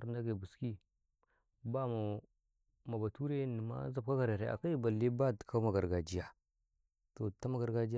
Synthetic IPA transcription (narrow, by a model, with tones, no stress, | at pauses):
ɾnda˦ɡe˨bu˨ski˦ | ba˦ma˨ | ma˨ba˨tu˦ɾe˦ni˨ma̰˦za˨b̚ka˦ɡa˨ɾa˨ɾḛ˨ʔa̰˨ka˦i˦ba˨li˦ba˦ti̥˨kʰa˦ma˨ɡa˨ɾɡa˨d͡ʒi˦ja˨ | to˨ta˦ma˦˨ɡa˨ɾɡa˨d͡ʒi˦